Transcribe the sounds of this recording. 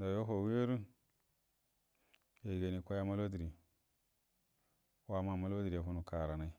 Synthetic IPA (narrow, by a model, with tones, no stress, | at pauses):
da˨jo˦ɦo˨wi˦e˦ɾu˦ | ja˨ɡa˨ni˨kʷa˦ja˦ma˦lo˦di˨ɾi˨ | wa˦ma˨ma˦lo˦di˨ɾi˨ja˨ɦu˦nu˨ka˨ɾa˨na˨i˦